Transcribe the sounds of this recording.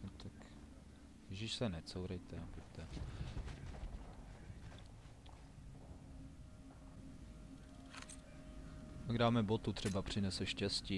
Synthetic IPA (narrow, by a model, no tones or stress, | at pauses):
nt̪ak | jɛʒɪʃsɛnɛt͡sowɾɛjt̪ɛapuct̪ɛ | paɡdaːmɛbot̪ut̪r̥ɛbapr̝̥ɪnɛsɛʃcɛsciː